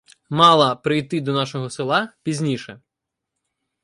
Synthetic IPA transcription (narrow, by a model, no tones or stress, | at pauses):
mɑlˠɐpɾɪjt̪ɪd̪ɔnɑʃɔɦɔsɪlˠɑpʲizʲnʲiʃɛ